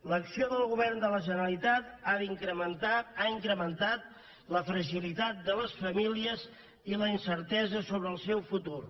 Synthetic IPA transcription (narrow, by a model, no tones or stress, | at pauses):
ləksioðəlˠɣuβɛrnd̪ələʒənəlit̪at̪aiŋkɾəmənt̪aaiŋkɾəmənt̪at̪̚ | ləfɾəʒilit̪at̪̚d̪ələsfəmiliəz | iləinsəɾt̪ɛzəsoβɾəːlˠsɛwfut̪ur